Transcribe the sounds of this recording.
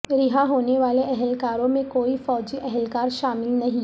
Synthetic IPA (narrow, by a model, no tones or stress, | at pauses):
ɾɪɦaɦoːneʋaːleʔɛɦɛlkaːɾõmẽkoːifɔːd͡ʒiʔɛɦɛlkaːɾʃaːmɪlnɐɦĩ